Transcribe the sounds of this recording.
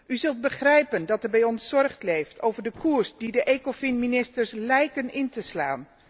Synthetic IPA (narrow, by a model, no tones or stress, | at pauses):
ʔyzɵlˠt̚bəχrɛjpəndɑtəbɛjɔnsːɔrχtlejftʰowvəɹdəkuːɹsdidəʔekofɪnminɪstəɹslɛjkənɪntəsla̰ːn